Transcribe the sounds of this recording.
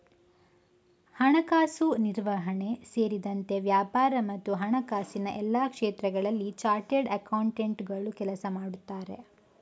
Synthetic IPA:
hɐɳɐkaːsuniɾʋɐɦɐɳe̞seːɾid̪ɐnt̪e̞ʋjaːpaːɾɐmɐt̪ːuɦɐɳɐkaːsinɐʔɛlːaːkʂeːt̪ɾɐɡɐɭɐlːit͡ʃaːɾʈeɖɐkɐwɳʈeɳʈɡɐɭukɛlɐsɐmaːɽut̪ːaːɾe̞̰

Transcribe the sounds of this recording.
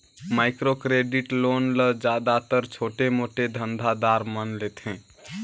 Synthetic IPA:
maɪkɾokɾeɖiʈlonləd͡ʒad̪at̪əɾt͡ʃʰoʈemoʈed̪ʱənd̪ʱad̪aɾmənlet̪ɛ̃

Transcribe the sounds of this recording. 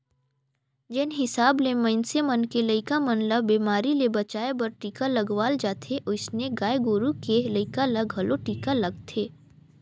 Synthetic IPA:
d͡ʒɪnɦɪsaːblemɐ̃ɪnsemɐnkeləɪkamɐnləbːiːmaːɾilebɐt͡ʃaːebɐɾʈiːkalɐɡʋaːld͡ʒaːt̪ʰeʔʊsneɡaːeɡoːɾukelɐɪkalaɡʱɐlʔoʈiːkalɐɡ̚t̪ʰeː

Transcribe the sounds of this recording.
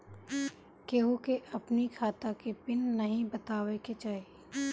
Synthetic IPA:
keːɦokeʔɐpnikʰaːt̪akepɪnːɐɦĩbət̪aːʋeket͡ʃaːɦie

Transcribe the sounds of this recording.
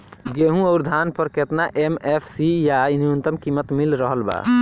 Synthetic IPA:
ɡeɦũəʊɾd̪ʱanpəɾket̪naʔemepʰsijaniənt̪əmkimət̪milɾəɦəlba̰

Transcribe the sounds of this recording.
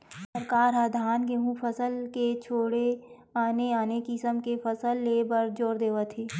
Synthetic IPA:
səɾkaːɾaːd̪ʱaːnkeɦũpʰəsəlket͡ʃʰoːɽe | aːneaːnekɪsəmkepəsəlːeːbəɾd͡ʒoːɾd̪eːʋət̪ʰeː

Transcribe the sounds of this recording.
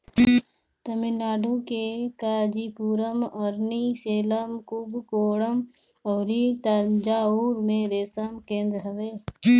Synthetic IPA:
t̪əmɪnːaːɖukekaːd͡ʒipuːɾəmɔːɾniseːləmkubʱkoːɽəm | ɔːɾit̪ad͡ʒaːuːɾmẽɾeːsəmkẽːnd̪ɾɦəʋeː

